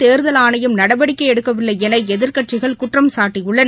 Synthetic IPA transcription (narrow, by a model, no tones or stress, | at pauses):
t̪eːɾðɐlaːnɐjɯmnɐɽɐbɐɽɪkːɐɪɛɽɯkːɐʋɪlːɐɪɛnɐɪɛðɪɾkɐʈt͡ʃɪɣɐɭkʊʈrɐmsaːʈːɪjɯɭːɐn